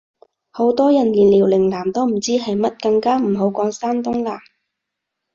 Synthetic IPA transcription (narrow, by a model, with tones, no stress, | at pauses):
ho˨˧˥wt̪ɔː˥jɐ˨˩nliː˨˩nliː˨˩wlɪ˨˩ŋlaː˨˩mt̪o˥wm̩˨˩t͡siː˥ɦɐ˨jmɐ˥t̚kɐ˧ŋkaː˥m̩˨˩ho˨˧wkɔː˨˧ŋsaː˥nt̪ʊ˥ŋlaː˧˩